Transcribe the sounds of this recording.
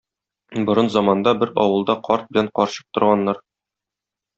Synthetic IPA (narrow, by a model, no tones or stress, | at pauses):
bŏɾɤnzɒmɑnd̪ɑbɘɾɒ̰wɤ̆lˠd̪ɑqɒɾt̪̚bɘ̆læɴqɒɾɕɤ̥q̚t̪ŏɾʁɑnːɑɾ